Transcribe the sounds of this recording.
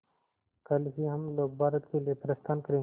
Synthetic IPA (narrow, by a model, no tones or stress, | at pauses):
kɐlɦiɦɐmloːɡ̚bʱaːɾət̪kelijepɾɐst̪aːnkəɾẽː